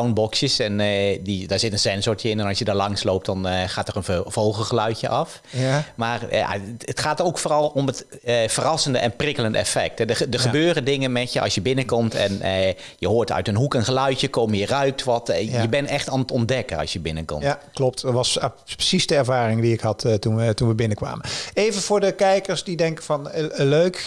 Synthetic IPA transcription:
sawnbɔksjəsɛndidɔɹsɪtənsɛnsɔɹtjəɪnɛnɑsjədɔɹlɑŋsloːp̚tdɔnxaːtərənvowxəlˠxəlœɥtjəʔɑf | maːrja̰ətxaːtəowkfoːrɑlˠomət | fərɑsəndəʔɛnprɪkəlˠəndəɛ̰fɛk̚tɛdədəxəbøːrədɪŋənmɛtjəʔɑ̰sjəbɪnəkɔmtʰɛ̰nə | jəhoːɹtœ̰ɥtənɦukənɣəlœɥtjəkomjərœɥk̚tʋɑtjəbɛnɛxtanətɔndɛkənɑ̰sjəbɪnəkɔ̰mklɔp̚tʋɑspə̥sisdəɛɹvaːɾɪŋdiɪkhɑttunətunʋəbɪnəkʋa̰ːməeːvənvʊːɹdəkɛjkəɹsdidɛŋkəvɑnəløɥk

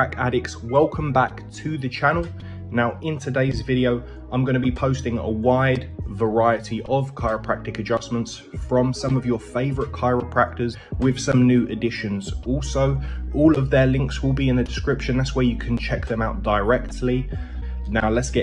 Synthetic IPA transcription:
akʰa̰ɾɪkswɛlˠkʰə̃mbaktʰəðət͡ʃʰanəlˠ | naʊɪ̃ntʰədeɪzvɪɾiəʊ | ãɪ̃mɡʌñəbipʰəʊstɪ̃ŋə̰waɪdvəɹaɪətʰiʔəv̥kʰaɪɹəpʰɹ̥a̰k̚tɪkəd͡ʒʌsmə̃nts | fɹə̃msʌ̃məvjəfeɪvəɹɪʔ̚kʰaɪɹəpʰɹ̥ak̚təz̥ | wɪð̥sʌ̃mnjʉːʔədɪʃə̃nz̥ɔˑlˠsəʊɔːləvðəlɪ̃ŋkswɪlˠbiɪ̃nðədɪskɹɪpʃə̃nðatswəjəkʰə̃nt͡ʃʰɛk̚ðə̃maʊʔ̚d̥əɪɹɛk̚tʰˡli | naʊlətsɡ̥ɛ

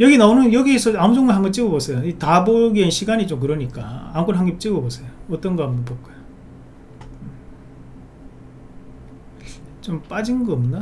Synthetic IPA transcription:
jʌɡinaonɯnjʌɡiesʰʌamud͡ʑʌŋaɦaŋɡit͡ɕ͈iɡʌbosʰejoitaboɡienɕʰiɡaɲit͡ɕomkɯɾʌɲik͈aamkʰunɦaŋɡip̚t͡ɕ͈iɡʌbosʰejoʌt͈ʌnɡʌambʌnpok͈ojo | t͡ɕomp͈ad͡ʑinɡʌmna

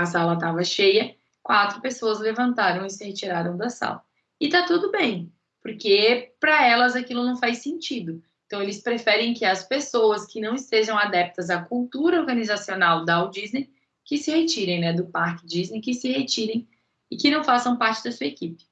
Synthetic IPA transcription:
ɐsalɐt̪avɐʃejɐ | kwat̪ɾʊpesoɐzlevɐ̃nt̪aɾɐ̃w̃ɪsɪhet͡ʃiɾaɾɐ̃w̃d̪ɐsa̰lɐ | ɪt̪at̪ud̪ʊbẽj̃ | poɾkepɾɐɛlɐzakilʊnɐ̃w̃fajsẽnt͡ʃid̪ʊẽnt̪ɐ̃w̃elɪspɾefɛɾẽj̃kɪɐspesowɐskɪnɐ̃w̃ɪst̪eʒɐ̃w̃ad̪ɛp̚t̪ɐzakuwt̪uɾɐoɾɡɐ̃nizasionawd̪ɐwd͡ʒiznej | kɪsɪhet͡ʃiɾẽj̃nɛd̪ʊpaɾkɪd͡ʒiznejkɪsɪhet͡ʃiɾẽj̃ | ɪkɪnɐ̃w̃fasɐ̃w̃paɾt͡ʃɪd̪ɐsuɐekipɪ̥

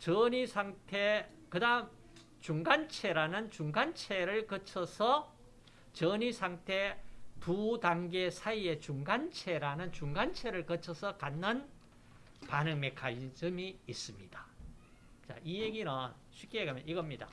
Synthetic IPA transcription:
t͡ɕʌɲisʰaŋtʰe | kɯdaɯm | t͡ɕuŋɡant͡ɕʰe̞ɾanɯnt͡ɕuŋɡant͡ɕʰeɾɯɭkʌt͡ɕʰʌsʰʌ | t͡ɕʌɲisʰaŋtʰe̞tudaŋɡe̞sʰaie̞t͡ɕuŋɡant͡ɕʰe̞ɾanɯnt͡ɕuŋɡant͡ɕʰe̞ɾɯɭkʌt͡ɕʰʌsʰʌkanːɯn | panɯŋme̞kʰad͡ʑɯmiis͈ɯmɲid̥ḁ | t͡ɕa̰ʔijeɡinʌ | ɕʰɥik͈eɡamjʌniɡʌmɲida̰

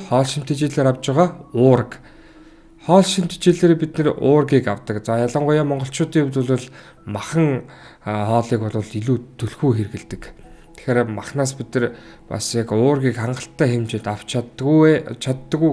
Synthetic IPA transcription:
χɔːɮʃim̥t̪ʰet͡ɕeːɮeːɾawt͡ɕɪ̆ʁaːʊːɾə̆k | χɔːɮʃim̥t̪ʰt͡ɕeːɮeːɾepit̪nĕrʊːrɣiːkawt̪ə̆kt͡saːjaɮə̆ɴɢʊjaːmɔɴɢɞ̆ɬt͡ɕʰʊːt̪iːŋt̪ʊ̆ɮʊ̆ɮ | maχə̆ŋ | χɔːɮiːkɔɮʊ̆ːɮiɮuːt̪ʰːɵɮxuːxerɣɘ̆ɮt̪ɘ̆k | t̪ʰe̥xeːɾmaχnaːs̬pit̪nɘ̆rpa̰sjakʊːrɣʲiːkχaɴɢə̆ɬt̪ːæːxemt͡ɕeːt̪aw̥t͡ɕʰː | t͡ɕʰat̪ːə̆ɣuj

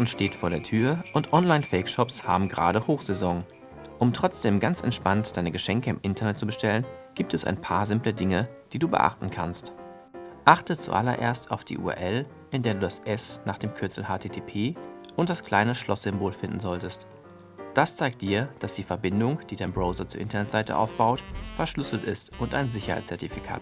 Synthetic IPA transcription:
nʃteːtfoːɐɾeːɐtʰyːɐʔʊntʔɔnlaɪnfɛɪkʃɔpsha̰ːbm̩ɡʁa̰ːɾəhoːxz̥ɛzɔŋ | ʔʊmtʁ̥ɔt͡sd̥eːmɡant͡sʔɛ̰ntʃpantd̥aɪnəɡəʃɛŋkəɪmʔɪntʰɐnɛt̚t͡subəʃtɛlənɡ̥iːp̚tɛsa̰ɪnpʰaːɐzɪmplədɪŋəd̥iːduːbə̰ʔa̰χtn̩kʰa̰nst | ʔaχtət͡sṵʔa̰lɐ̰ʔḛːɐstaʊfd̥ḭːʔṵːɛ̰ʔɛl | ʔɪndeːɐduːdasʔɛsnaːχd̥eːmkʰʏɐt͡sl̩haːtʰeːtʰeːpʰeː | ʔʊntd̥askl̥aɪnəʃlɔsz̥ɪmboːlfɪndn̩zɔltəst | d̥ast͡saɪk̚t̚d̥iːɐd̥asd̥iːfɛɐbɪndʊŋd̥iːdaɪnbʁoʊzɐt͡suːɐʔɪntɐnɛtz̥aɪtə̰ʔa̰ʊfb̥aʊtfɛɐʃlʏsl̩tʔɪstʔʊnt̚d̥a̰ɪnzɪçɐha̰ɪt͡st͡sɛɐtifikʰa̰ːt

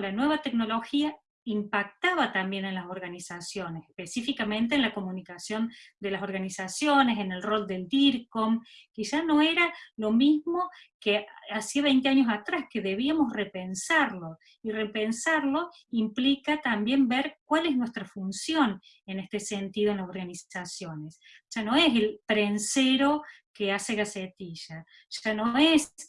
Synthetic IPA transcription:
lanwe̞βat̪e̞kno̞lo̞xia | impak̚t̪aβat̪ambje̞nenlaso̞ɾɣanisasjo̞nese̥hpesifikamẽ̞nt̪̬eːnlako̞mũnikasjo̞nd̪elaso̞ɾɣanisasjo̞nes̬ene̞lro̞ld̪e̞ld̪iɾkomkisano̞eɾalo̞mizmo̞keasiaβejnt̪eaɲos̬at̪ɾaske̞ðeβ̞iamo̞srepensaɾlo̞ | irepensaɾlo̞ | implikat̪ambje̞mbeɾkwalesnwe̞st̪ɾafunsjo̞n | e̞ne̞st̪e̞sent̪iðoenlaso̞ɾɣaniasjo̞ne̞s | ʒ̥ano̞eselpɾenseɾo̞kease̞ɣaset̪iʒ̥a | ʒ̥ano̞es

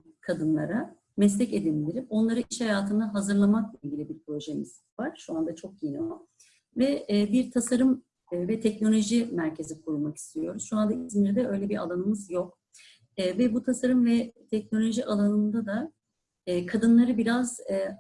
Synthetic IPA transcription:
kʰad̪ɯnlˠa̰ɾa | mɛslʲɛce̞d̪ind̪iɾipo̞nlˠaɾɯʔiʃhajaːt̪ʰɯnd̪aɦazɯɾlˠamak̚lˠailʲɟʲilʲibiɾpɾo̞ʒemis | vaɾ̥ʃuand̪at͡ʃʰo̞k̚jenio | vɛːbiɾt̪ʰasaɾɯmː | vɛt̪ʰɛcno̞lʲo̞ʒimæɾcʰe̞zikʰuɾulˠmaki̥st̪ʰijo̞ɾuz̥ʃuand̪aizmʲɛɾd̪ɛø̞jlʲɛbiɾa̰lˠanɯmɯzjo̞kː | vɛbut̪ʰasaɾɯmvɛt̪ʰɛc̚no̞lʲo̞ʒiʔalˠanɯmd̪ad̪aː | kʰad̪ɯnlˠaɾɯbiɾaz̥

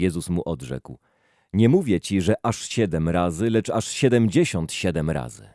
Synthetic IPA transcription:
ɛzusmuʔɔd̪ʐɛ̰kw | ɲɛmuvʲjɛt͡ɕiʐɛʔaʂɕɛd̪ɛmɾazɘlɛt͡ʂaʂɕɛd̪ɛmd͡ʑeɕɔnt̪ɕɛd̪ɛmɾa̰zɘ̰

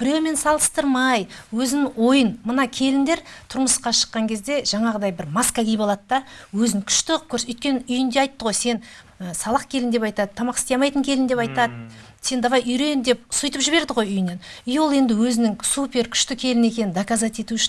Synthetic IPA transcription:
b̥ɪɾewme̞nsɑlˠəst̪əɾmɑjwɵzɪnɪŋo̞jənmənɑkʲʰe̞lɪnd̪e̞ɾt̪ʰʊɾməsqɑʃə̥qːɑŋkʲʰe̞zd̪e̞ʒ̥ɑɴɑʁəd̪ɑjbɪɾmaskaɡʲijbolˠɑt̪d̪ɑwɵzɪŋkʲʰʏ̥ʃt̪ɪkʰʲɵɾsʏjt̪̚kʲe̞nɪʏjɪnd̪eɑjt̪ːəʁo̞jse̞nəsɑlˠɑq̚kʲʰe̞lɪnd̪e̞pɑjt̪ɑd̪t̪ʰːɑmɑqɪsejɑmɑjt̪əŋkʲʰe̞lɪnd̪e̞pɑjt̪ɑd̪ə | se̞nd̪ɑvɑjʏjɾe̞nd̪e̞psʊjt̪əpʒɪβe̞ɾd̪ɪʁo̞jʏjɪnenʏjwo̞lˠe̞nd̪ɪwɵzɪnɪŋsupe̞ɾkʲʰʏ̥ʃt̪ɪkʲʰe̞lɪne̞kʲe̞nɪnd̪akazɑt̪e̞t̪uɪʃɪn

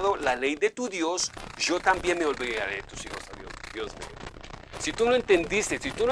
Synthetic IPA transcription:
ðo̞lale̞jðe̞t̪uðjo̞sʝo̞t̪ambje̞nme̞o̞lβiðaɾet̪usixo̞saðjo̰sðjo̞zmḛo̰sit̪unoe̞nt̪e̞nd̪ist̪esit̪uno

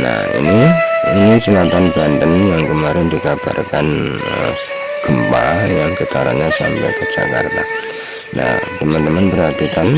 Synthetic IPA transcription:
na̰hḭniinisilat̪anbant̪ənjaŋkəmaɾɪndikab̥a̰rkanə | ɡ̥əmpajaŋkət̪aɾa̰ɲasa̰mpɛ̰jkəd͡ʒa̰ka̰rt̪a | na̰ht̪əmant̪əmanpərhat̪ikan

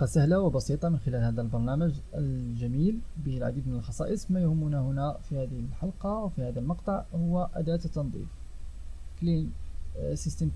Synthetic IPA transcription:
qɑsæhlawəbɑsit̪ˤɑmənxɪlælhæd̪ælbɑɾˤnæməʒəlʒæmilbəlʕa̰d̪id̪mənəlxɑsˤɑ̰ʔəsˤmæjʊhʊmːunæhʊnæfihæd̪əhəlħɑlqɑwfihæd̪ælmɑqt̪ˤɑʕhʊwːæʔæ̰d̪æt̪t̪ːɑnd̪ˤḭf | klin | sist̪əm

